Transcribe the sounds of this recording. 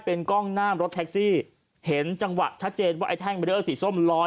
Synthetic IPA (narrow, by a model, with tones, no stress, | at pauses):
pe˧nkɔ˥˩ŋnaː˥˩mɾo˦˥t̪ʰɛ˦˥k̚siː˥˩ | he˩˦nt͡ɕa˧ŋwa̰˨˩t̪̚t͡ɕʰa˦˥t̪̚t͡ɕeː˧nwaː˥˩ʔa˧jt̪ʰɛː˥˩ŋma˧dʔɤː˥˩siː˨˩˦so˥˩mlɔː˦˥